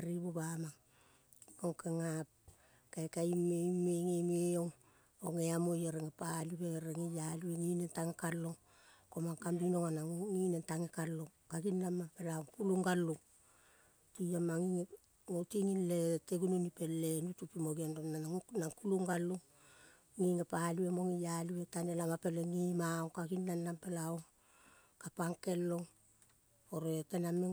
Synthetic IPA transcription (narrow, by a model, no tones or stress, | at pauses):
aɾiβobamaŋ | koŋkeŋap̚ | kaekaimemeŋemeoŋ | oŋeamojeɾeŋepaliweɾeŋejalieŋinentaŋekalːo̞ŋ | komaŋkambino̞ŋanaŋŋinentaŋekalːo̞ŋkaɡinːamakelaŋkuluŋɡalːuŋ | tiamːaŋiŋe | ŋotiŋinle̞teɡununipe̞lːe̞nutupimo̞ɡianoanaŋkuluŋɡalːuŋ | ŋiŋepaliwemo̞ŋijaliwe̞tanelamape̞leŋimaoŋkaɡinːanːampe̞laoŋ | kapaŋke̞lːo̞ŋ | oɾe̞te̞name